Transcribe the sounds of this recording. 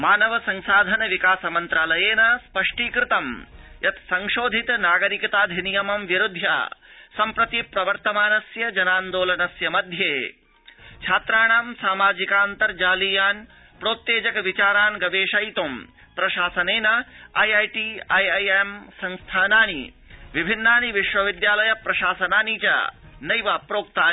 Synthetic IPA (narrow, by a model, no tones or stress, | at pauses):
maːnɐʋɐsɐŋsaːd̪ʱɐnɐʋikaːsɐmɐnt̪ɾaːlɐjeːnɐspɐʂʈiːkɾɪt̪ɐmjɐt̪sɐŋʃoːd̪ʱit̪naːɡɐɾikɐt̪aːd̪ʱinijɐmɐmʋjɐɾud̪ʱja̰ːsɐmpɾɐt̪ipɾɐʋɐɾt̪ɐmaːnɐsjɐd͡ʒɐnaːnd̪oːlɐnɐsjɐmɐd̪ʱjeː | t͡ʃʰaːt̪ɾaːɳaːmsaːmaːd͡ʒikaːnt̪ɐɾd͡ʒaːlijaːn | pɾoːt̪ːjeːd͡ʒɐkʋit͡ʃaːɾaːnɡɐʋeːʃɐjt̪om | pɾɐʃaːsɐneːnɐɐjɐjʈiɐjɐjemsɐ̃ŋst̪ʰaːnaːnḭ | ʋibʱinːaːniʋiʃʋɐʋid̪jaːlɐjɐpɾɐʃaːsɐnaːnit͡ʃa̰nɐjʋaːpɾoːk̚t̪aː